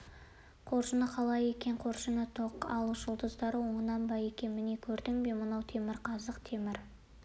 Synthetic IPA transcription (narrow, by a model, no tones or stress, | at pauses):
qʰo̞ɾʃənəqʰɑlˠɑje̞kʲe̞ɴqʰo̞ɾʃənət̪ʰoqɑ̰lˠəʒ̥əlˠd̪əzd̪ɑɾəwo̞ɴənɑnbɑje̞kʲe̞mɪne̞kʲʰɵɾd̪ɪŋbe̞mənɑwt̪ʰe̞mɪɾqʰɑzəqt̪ʰe̞mɪɾ